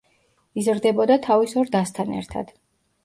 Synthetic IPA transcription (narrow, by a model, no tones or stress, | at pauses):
izɾd̪ɛbɔd̪at̪ʰavisɔɾd̪ast̪ʰanɛ̰ɾt̪ʰa̰d̪̥